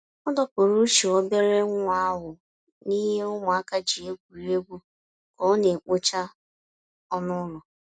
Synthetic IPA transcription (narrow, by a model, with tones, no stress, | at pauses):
ɔ˦dɔ˦pʊ˨ɾu˦ʃi˨ɔ˦be˦ɾe˦ŋʷ˦a˦ɦʊ˨ | ni˦ɦe˦ʊ˦ŋʊ˨a˦ka˦d͡ʒi˨e˦kʷu˨ɾi˦e˦ɡʷu˦ | kɔ˦ne˨k͡po˦t͡ʃa˦ | ɔ˦nʊ˦lɔ˨